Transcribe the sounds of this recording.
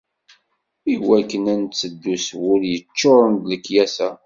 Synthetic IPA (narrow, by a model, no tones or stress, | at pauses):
iwækːənænt͡sːəd̪ːuswʊɾjət͡ʃːoɾˤənd̪ləkːjæsæ